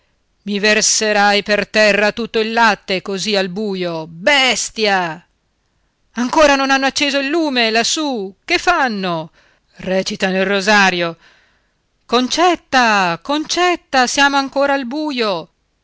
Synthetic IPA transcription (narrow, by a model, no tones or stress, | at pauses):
miverseɾajpert̪ɛrːat̪ut̪ːoilːat̪ːekozialbuːjobɛst̪ja | aŋkoːɾanonanːoat͡ʃːeːzoilːuːmelasːukefːanːo | rɛːt͡ʃit̪anilrozaːɾjo | kont͡ʃɛt̪ːakont͡ʃɛt̪ːasjaːmoaŋkoːɾaːlbuːjo